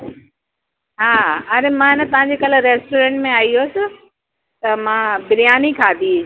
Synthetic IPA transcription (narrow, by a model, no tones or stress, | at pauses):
ɦaːɐɾemãɦɪnə̆t̪ɐʋ̤ãɲd͡ʑeːkalɪ̆ɾeːsʈoːɾẽːɳʈmẽaːiɦoːsɪ | t̪ɐmãbɪɾijaːnikʰaːd̪i